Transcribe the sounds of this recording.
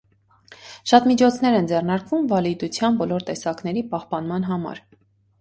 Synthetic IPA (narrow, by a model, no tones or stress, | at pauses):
ʃɑt̪mit͡ʃʰɔt͡sʰn̪ɛɾɛnd͡zɛrnɑɾkvumvɑlid̪ut͡sʰjɑnbɔlɔɾt̪ɛsɑknɛɾipɑhpɑnmɑn̪ɦɑmɑ̰ɾ